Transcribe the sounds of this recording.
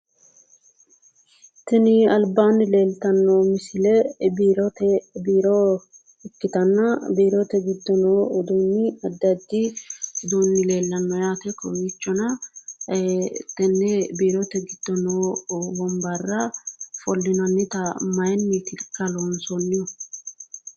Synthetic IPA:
t̪ɛnɪɐlbaːnːɪle̞ːlt̪ɐnːomɪsɪlɛbiːɾɔt̪ɛbiːɾɔ | ɛkːɪt̪ɐnːɐbiːɾɔt̪ɛɡɪd̪ːɔnoːɔd̪unːɪɐd̪ːɐd̪ːɪd̪unːɪle̞ːlːɐnːɔjaːt̪ɛkɔwiːt͡ʃːɔnɐ | t̪ɛnːɛbiːɾɔt̪ɛɡɪd̪̥ːɔnoːwɔmbɐrːɐfɔlːɪnɐnːɪt̪ɐmɐjnːit̪ɪlkːɐlonsɔnːɪjɔ

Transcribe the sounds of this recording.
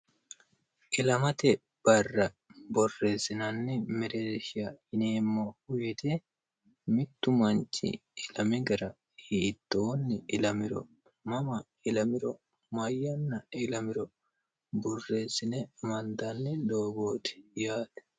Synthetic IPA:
ʔɪlɐmɐt̪ɛ | b̥ɐrːɐ | bɔrːe̞ːsːɪnɐnːɪmɛɾeːʃɪjɐhɪneːmːoːhʊjɛt̪e | mɪt̪ːʊmɐnt͡ʃːɪ̰ɪlɐmɪɡɐɾɐ | hiːt̪ːoːnːɪɪlɐmɪɾɔ̰ | mɐmɐ | ɪlɐmɪɾɔ | mɐjːɐnːɐɪlɐmɪɾɔ | bɔrːe̞ːsːɪnɛmɐnd̪ɐnːɪd̪oːɡoːt̪ɪ̥jaːd̪̥ɛ̥

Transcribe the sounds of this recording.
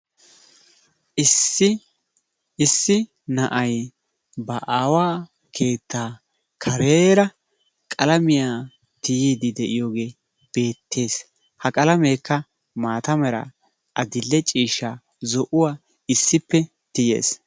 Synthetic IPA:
ɪsːɪ | nɐʔɐj | bɐʔaːwaː | kʰe̞ːt̪ːaː | kʰɐɾeːɾɐ | kʼɐlɐmɪjaː | t̪ɪjid̪ɪd̪ɛʔɪjo̞ːɡe̞ː | b̥e̞ːt̪ʰːe̞ːs | hɐkʼɐlɐmeːkːɐ | maːt̪ɐmɛɾɐ̰ | ʔɐd̪ɪlːɛt͡ʃʼiːʃːaː | zɔʔʊwaː | ɪsːɪpːɛ | t̪ɪje̞̰ːs

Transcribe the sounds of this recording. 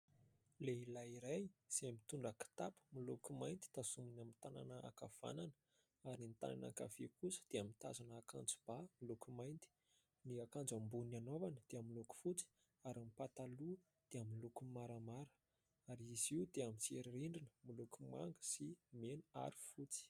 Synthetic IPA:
leilaiɾajz̥emit̪uɳɖ͡ʐaki̥t̪apə̥milukumajnt̪i̥t̪asuminamint̪ana̰nəa̰kav̥a̰nanə̥ | aɾint̪a̰na̰na̰ka̰v̥ekusə̥d̪̥eamit̪a̰zanakand͡zu̥b̥amilukumajnt̪i̥ | niakand͡zambunianovanəd̪̥eamiluku̥fut͡si̥ | aɾamipat̪alu | d̪̥eamilukumaɾəmaɾə̥ | aɾiziud̪eamit͡seɾiɾiɳɖ͡ʐinə̥milukuma̰ŋɡə̥simenua̰ɾi̥fut͡si̥

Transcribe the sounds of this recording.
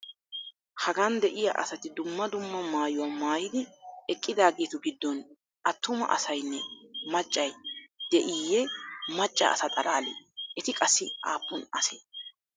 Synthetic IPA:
hɐɡand̪ɛʔɪjɐ̰ʔɐ̰sɐt̪ɪd̪ʊmːɐd̪ʊmːɐmaːjʊwɐmaːjɪd̪ɪɛkʼːɪd̪aːɡeːt̪ʊɡɪd̪ːɔn | ʔɐt̪ːʊmɐ̰ʔɐ̰sɐjnːɛmɐt͡ʃʼːɐjd̪̥ɛʔɪjɛmɐt͡ʃʼːɐ̰ɐ̰sɐt̪ʼɐɾaːlḛːʔɛt̪ɪkʼɐsːɪaːpːʊnɐ̰sḛː

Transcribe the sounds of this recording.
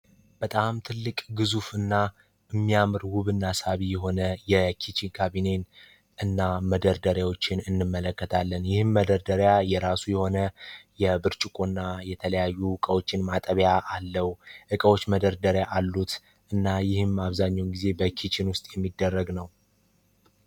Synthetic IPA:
b̥ət̪ʼamt̪ʰɨlːɨkʼɡɨzufɨnːa | ɨmːijamɨɾwʊβɨnːasaβijɛɦo̞nəjɛkʰit͡ʃinkʰaβine̞n | ɨnːaməd̪əɾd̪əɾjawo̞t͡ʃːɪnɨnːɨmːələkːət̪ʰalːənjɪhɨmːəd̪əɾd̪əɾjajɛɾasujɛho̞nəjɛbɨɾt͡ʃʼɪkʼonːajɛt̪ʰələjajːuɨkʼəwo̞t͡ʃːɪnmat̪ʼəβjaʔalːəwʔɨkʼəwo̞t͡ʃːməd̪əɾd̪əɾjaʔalːut̪ | ʔɨnːajɪhɨmaβzaɲːawnɡize̞bəkʰit͡ʃinwʊst̪ʼjɛmːid̪ːərːəɡnəw

